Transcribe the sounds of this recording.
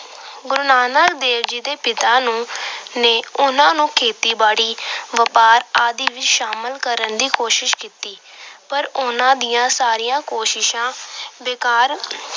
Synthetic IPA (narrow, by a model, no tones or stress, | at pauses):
ɡʊɾʊnaːnəkd̪eːɾd͡ʒiːd̪eːpɪt̪ãːnũːneːʊnãːnũːkʰeːt̪iːbaːɽiːʋəpaːɾaːd̪iːʋɪt͡ʃʃaːməlkəɾənd̪iːkoːʃɪʃkiːt̪iː | pəɾʊnãːd̪ɪjãːsaːɾijãːkoːʃɪʃãːʋekaːɾ